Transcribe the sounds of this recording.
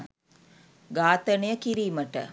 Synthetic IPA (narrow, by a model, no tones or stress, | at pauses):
ɡaːt̪ənejəkiɾiːməʈə̰